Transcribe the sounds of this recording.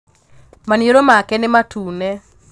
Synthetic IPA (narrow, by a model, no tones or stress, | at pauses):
manjoɾomakɛnɪmatʰuːnɛ